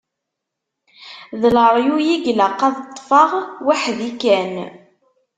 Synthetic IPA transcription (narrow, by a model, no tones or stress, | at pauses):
ðləɾˤjujiɡləqːɑðət̪ˤːfɑʁwaħðikæn